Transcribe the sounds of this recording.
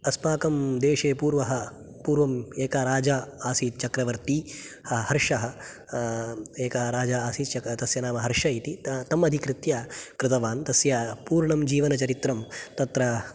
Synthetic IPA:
ɐsmaːkɐmd̪eːʂeːpuːɾʋɐɦɐ̆ | puːɾʋɐmeːkaɾaːd͡ʒaːaːsit͡ʃɐkɾɐʋɐɾt̪ihɐɦɐɾʂɐɦɐ̆ | eːkaɾaːd͡ʒaaːsit͡ʃɐt̪ɐsjɐnaːmɐɦɐɾʂɐit̪it̪ɐmɐd̪ʱikɾɪt̪jaːkɾɪt̪ɐʋaːnt̪ɐsjaːpuːɾɳɐmd͡ʒiːʋɐnɐt͡ʃɐɾit̪ɾɐmt̪ɐt̪ɾɐ

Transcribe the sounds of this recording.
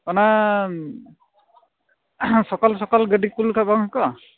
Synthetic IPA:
kɔna | sɔkɔlsɔkɔlɡədikulkʰabaŋkɔ

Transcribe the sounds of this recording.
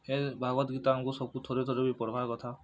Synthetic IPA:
hebʱaɡɔt̪ɡit̪aːŋkusɔkut̪ʰoɾet̪ʰɔɾebipɔɾɔbʱakɔt̪ʰa

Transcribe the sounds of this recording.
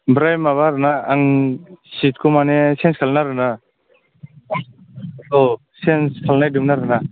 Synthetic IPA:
bɾajmaβaɾɯnaːŋsit̚kʰɔmanɛsenskʰalnaɾɯna | aŋs | alɔ | senskʰalnajdimnaɾɯna

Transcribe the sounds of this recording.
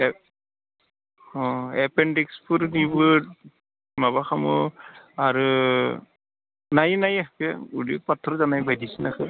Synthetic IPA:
ɔɛpɛndikspuɾnibu | mabaxamɔ̰aɹu | najnajabaudipatʰːɔɾzanajbajdisinakɯ

